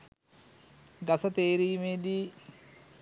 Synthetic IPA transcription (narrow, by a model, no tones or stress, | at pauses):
ɡasət̪eːɾiːmeːd̪i